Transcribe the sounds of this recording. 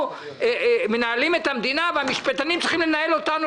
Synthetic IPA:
eme̞naːlimet̪amd̪inaveamiʃpat̪animt͡siχimlenae̞lo̞t̪anu

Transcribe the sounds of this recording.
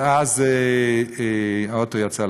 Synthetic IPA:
azeeaot̪ojat͡sal

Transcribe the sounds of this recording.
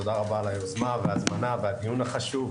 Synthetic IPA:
od̪aʁabalajozmaveazmanavead̪ijunaχaʃuv

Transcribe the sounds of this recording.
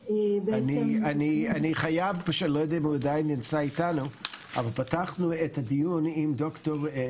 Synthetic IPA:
banianianiχajavpaʃɛtlojodɛmhuadajnːint͡saitanuʔa̰valˠpataχnuethadijunimdoktoʁ

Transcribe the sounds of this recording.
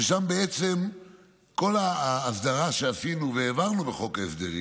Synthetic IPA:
eʃambeet͡se̞m | ko̞laːsd̪aʁaʃeasinuveːvaʁnubeχo̞kefd̪eʁḭ

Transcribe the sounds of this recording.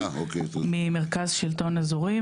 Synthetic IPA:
aokemimeʁkazʃilto̞nazuʁi

